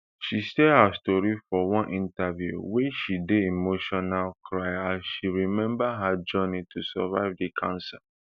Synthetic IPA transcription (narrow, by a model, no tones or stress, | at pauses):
ʃistɛhastɔɹifɔwɔ̃nʔĩntavjṵweʃideimoʃɔnalkʰɹaɪãnʃiɹimɛ̃mbaɦad͡ʒɜnitʰusavaɪvdikʰãnsa